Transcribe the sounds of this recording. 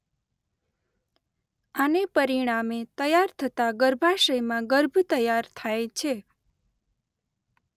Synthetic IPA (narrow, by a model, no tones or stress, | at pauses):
anepəɾiɽ̃amet̪əjaɾt̪ʰət̪aɡəɾbʱaʃəjmãɡəɾbʱt̪əjaɾt̪ʰajt͡ʃʰe